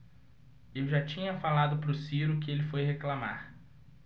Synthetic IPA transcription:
ewʒat͡ʃĩɲɐfalad̪ʊpɾʊsiɾʊkɪelɪfojheklama̰ɾ

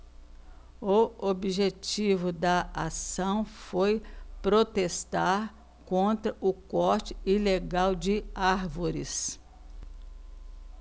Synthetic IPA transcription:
ʊobiʒet͡ʃivʊd̪ɐasɐ̃w̃fojpɾot̪est̪aɾ | kõnt̪ɾɐʔʊkɔɾt͡ʃɪ̥ileɡawd͡ʒɪaɾvoɾɪs

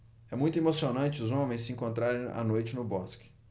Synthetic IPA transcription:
ɛmũj̃t̪ʊemosionɐ̃t͡ʃɪʊzõmẽj̃sɪĩŋkõnt̪ɾaɾẽj̃a̰nojt͡ʃɪnʊbɔskɪ̥

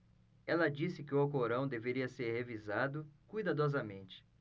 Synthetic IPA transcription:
ɛlɐd͡ʒisɪkɪʊawk̬oɾɐ̃w̃d̪eveɾiɐseɾhevizad̪ʊkujd̪ad̪ɔzɐmẽnt͡ʃɪ̥

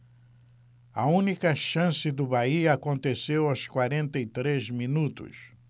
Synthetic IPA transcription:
ɐũnikɐʃɐ̃sɪd̪ʊbaiɐakõnt̪esewɐwskwaɾẽnt̪ɐit̪ɾezminut̪ʊ̰s

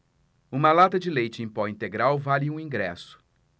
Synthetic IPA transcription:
ũmɐlat̪ɐd͡ʒɪlejt͡ʃɪẽj̃pɔĩnt̪eɡɾawvalɪũĩŋɡɾɛsʊ̥

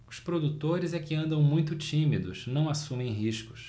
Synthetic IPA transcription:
ʊspɾod̪ut̪oɾɪzɛkɪɐ̃nd̪ɐ̃w̃mũj̃t̪ʊt͡ʃimid̪ʊsnɐ̃w̃asũmẽj̃ɦiʃkʊ̥s

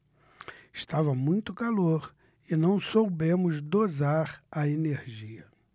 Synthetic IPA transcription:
ɪʃt̪avɐmũj̃t̪ʊkaloɾ | ɪnɐ̃w̃sowbẽmʊzd̪ozaɾɐeneɾʒiɐ

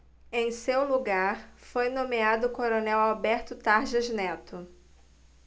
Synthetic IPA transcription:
ẽj̃sewluɡaɾfojnõmead̪ʊkoɾonɛwawbɛɾt̪ʊt̪aɾʒɐznɛt̪ʊ

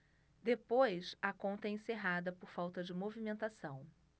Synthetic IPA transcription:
d̪epojsɐkõnt̪ɐɛẽseɦad̪ɐpoɾfawt̪ɐd͡ʒɪmovimẽnt̪asɐ̃w̃

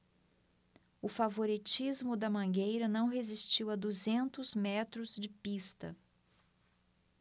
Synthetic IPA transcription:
ʊfavoɾit͡ʃizmʊd̪ɐmɐ̃ɡejɾɐnɐ̃w̃ɦezist͡ʃiwɐd̪uzẽnt̪ʊzmɛt̪ɾʊzd͡ʒɪpist̪ɐ̰

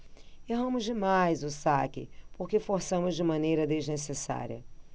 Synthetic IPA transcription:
eɦɐ̃mʊzd͡ʒɪmajzʊsakɪ̰poχkefoɾsɐ̃mʊzd͡ʒɪmɐ̃nejɾɐd̪eznesesa̰ɾiɐ̰

